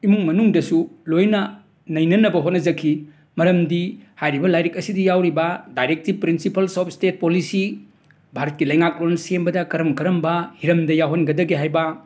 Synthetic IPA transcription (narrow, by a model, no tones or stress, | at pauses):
imuŋmɐnuŋdɐsulojnɐ | nɐjnɐnɐbɐɦot̚nɐzɐkʰːi | mɐɾɐmdihajɾibɐlajɾikɐsidijawɾibɐdajɾek̚tipɾinsipɐlsɔp̚stet̚polisi | bʱaɾɐt̚kilɐjŋak̚loɾnɐsembɐdɐkɐɾɐmkɐɾɐmbɐhiɾɐmdɐjawɦɐnɡɐdɐɡiɦajbɐ